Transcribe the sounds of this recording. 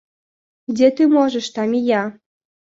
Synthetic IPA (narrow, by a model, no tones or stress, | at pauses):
ɡdʲet̪ɨmoʒəʃt̪ɑmʲijɑ